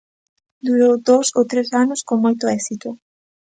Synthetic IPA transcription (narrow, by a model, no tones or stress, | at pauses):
d̪uɾowd̪owsowt̪ɾesanʊskoŋmojt̪ʊɛksit̪ʊ